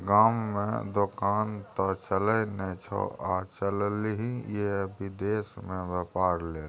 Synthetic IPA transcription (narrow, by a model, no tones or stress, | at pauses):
ɡamːḛ̃d̪okant̪ɔt͡ʃələnɛt͡ʃʰɔ̰at͡ʃəlliɦĩjebid̪esmẽbɛpaɾleːl